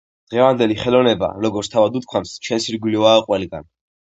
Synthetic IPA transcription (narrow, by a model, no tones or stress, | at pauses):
d̪̥ʁɛvand̪ɛliχɛlɔnɛba̰ɾɔɡɔt̪st̪ʰavad̪ut̪̚kʰwamst͡ʃʰɛnsiɾɡwilivaːqʼwɛliɡan